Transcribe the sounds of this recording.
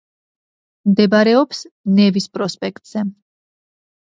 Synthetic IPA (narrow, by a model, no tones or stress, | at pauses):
md̪ɛbaɾɛɔpsnɛvispʼɾɔspʼɛk̚ʰt̪ʼz̥ɛ